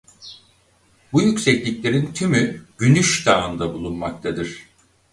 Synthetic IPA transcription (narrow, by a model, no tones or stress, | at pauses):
bujycsɛclʲiclʲe̞ɾint̪ʰymyɟ̥ynyʃd̪aːnd̪abulˠunmak̚t̪ʰad̪ɯɾ̝̥